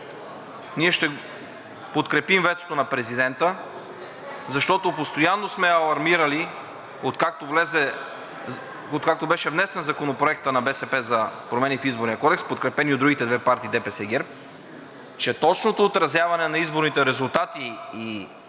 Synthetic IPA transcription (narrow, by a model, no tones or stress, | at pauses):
niɛʃt̪ɛ | pot̪kɾɛpimvɛt̪o̥t̪onɐpɾɛzid̪ɛnt̪ə | zɐʃt̪ɔt̪opost̪ojanːosmɛɐlˠɐɾmiɾɐli | ot̪kak̚t̪ovlɛzɛ | ot̪kak̚t̪obɛʃɛvnɛsɛnzɐkonopɾoɛk̚t̪ənɐbɛsɛpɛzɐpɾomɛnifizboɾnijəkɔd̪ɛkspot̪̚kɾɛpɛniod̪ɾuɡit̪ɛd̪vɛpaɾt̪iːd̪ɛpɛsɛɡɛɾp̚ | t͡ʃɛt̪ɔt͡ʃnot̪oːt̪ɾɐzjavɐnɛnɐizboɾnit̪ɛɾɛzulˠt̪at̪iː